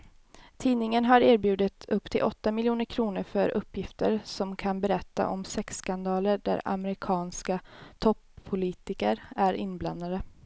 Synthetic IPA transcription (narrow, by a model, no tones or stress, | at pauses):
t̪ʰiːnɪŋənɦaɾeːɾbjʉ̟ːd̪ɪt̪ɵpːt̪ʰɪlʔɔt̪ːamɪljuːnəɾkʰɾuːnəɾfœɾʔɵpːjɪft̪əɾsɔmkʰanbɛɾɛt̪ːa̰ʔɔmsɛkskand̪ɑːləɖæ̰ɾa̰mɾɪkʰɑːnskat̪ʰɔpʰːʊliːt̪ɪkəɾæɾɪnːbla̰nd̪ad̪ə